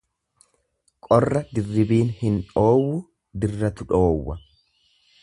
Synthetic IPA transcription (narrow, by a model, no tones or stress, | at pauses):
kʼɔrːɐd̪ɪrːɪbiːnhɪno̞ːwʊ | d̪ɪrːɐt̪ʊᶑo̞ːwːɐ